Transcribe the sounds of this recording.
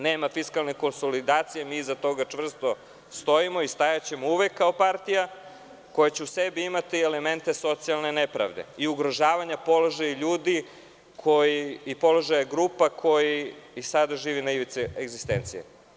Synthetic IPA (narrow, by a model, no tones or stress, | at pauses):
neːmafiskalˠneko̞nso̞lid̪aːt̪sijemizat̪o̞ɡat͡ʂvr̩st̪o̞ | st̪o̞imo̞ist̪ajat͡ɕe̞mouʋekːao̞paɾt̪ija | ko̞jat͡ɕeuse̞biimat̪ieleme̞nt̪e̞so̞t̪sialˠnenepɾa̰ʋd̪ḛiuɡɾoʒaːʋaɲapo̞loʒajʎuːd̪i | kʰo̞jiːpo̞lo̞ʒajaɡɾuːpakʰo̞jiːsad̪aʒiːʋinaiʋit̪sieɡzist̪ent̪sijḛ